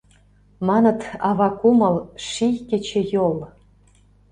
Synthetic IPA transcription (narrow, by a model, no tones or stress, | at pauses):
mɑnɤ̆t̪ɑβɑkumɤlʃijkĕt͡ɕĕjol